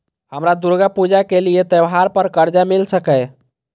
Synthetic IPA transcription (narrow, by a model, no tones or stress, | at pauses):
həmɾad̪uɾɡapud͡ʒakeliet̪ɛwɦaɾpəɾkəɾd͡ʒamilsəkɛ